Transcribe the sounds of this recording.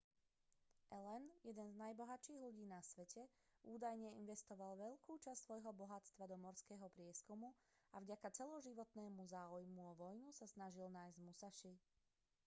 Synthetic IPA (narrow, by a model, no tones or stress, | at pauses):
ʔɛlɛnjɛd̪ɛnznajbɔɦaʃiːɣʎuɟiːnasʋɛcʰɛ | uːd̪ajɲɛinʋɛst̪ɔʋalʋɛʎkuːt͡ʃastsːʋɔjɦɔbɔɦat͡st̪ʋad̪ɔmɔɾskɛːɦɔpɾɪɛskumu | avɟakat͡sɛlɔʒiʋɔt̪nɛːmuzaːujmuɔʋɔjnusasnaʒilnaːjzɟmusaʃi